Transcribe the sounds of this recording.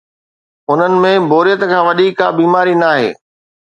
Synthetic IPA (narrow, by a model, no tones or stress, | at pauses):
ʊn̤ənɪ̆mẽbʱoːɾijət̪̆kʰãːʋɐɗiːka̰ːbiːmaːɾinaːɦḛː